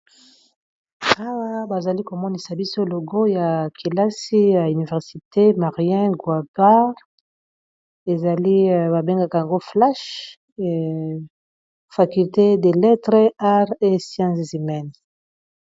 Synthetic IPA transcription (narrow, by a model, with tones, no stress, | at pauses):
a˦wa˦ba˨za˨li˦ko˨mɔ˦ni˨sa˨bi˦so˦˨lo˨ɡo˦ja˨kʰi˨la˦si˦ja˨y˨ni˨vɛ˨ʁsi˨te˦ma˨ʁi˦ɛ̃˦ɡwa˨ba˦ʁ | e˨za˨li˦˨ba˨be˦ŋɡa˦ka˨ja˨ŋɡo˦fla˦ʃ | fa˨ky˨lte˦de˨lɛ˦tʁe˦a˦ʁe˦sjã˦szi˨mɛ˨n